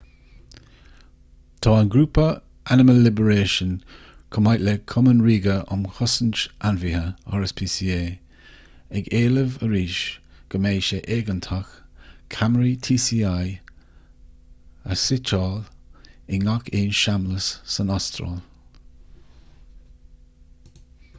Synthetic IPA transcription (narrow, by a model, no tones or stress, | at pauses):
tʰɔːənɡɾuːpə | anɪməlːɪbəɹeːʃən | kʰɔmajʔlɛkʰɔmənɹiːɡəʔʊ̰mxɔsənt͡ʃʔanvihəɔ̰ɹəspʰiːsiːeː | ɛɡeːləvəɹiːʃ | ɡ̥əmeːʃəʔeːɡəntʰakkʰamɹitʰiːsiːaj | əsɪt͡ʃɔlɪŋakʰeːnʃamləsːənɔstɾɔ̰l